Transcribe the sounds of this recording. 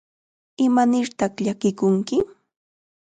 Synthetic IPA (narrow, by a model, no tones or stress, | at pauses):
ɪmanɪɾt̪ɑχʎakɪkʊŋkɪ